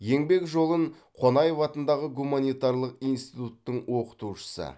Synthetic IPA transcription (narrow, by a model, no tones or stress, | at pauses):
je̞ŋbe̞kʒo̞lˠəɴ | qʰo̞nɑjvɑt̪ənd̪ɑʁəɡumanijt̪ɑɾlˠəqijnst̪it̪ut̪ːəɴwo̞qə̥t̪uʃə̥sə̰